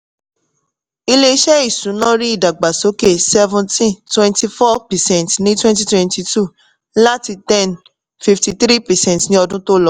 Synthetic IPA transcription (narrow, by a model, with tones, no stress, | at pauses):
i˧le˧˦ʃɛ˦i˦˨sũ˨˦nɔ̃˦ɾi˦i˦˨da˨ɡ͡ba˨so˨˦ke˦˨sɛ˦vũ˧ntĩ˦twɛ̃˧nti˧fɔ˦pɛ˨sɛ̃˦˨ntnĩ˦twɛ̃˦nti˦twɛ̃˧nti˧tu˦ | la˦ti˧tɛ̃˦˨n | fi˧fti˧tɾi˦pɛ˨sɛ̃˦˨tnĩ˦ɔ˧dũ˦to˦lɔ˧˦˨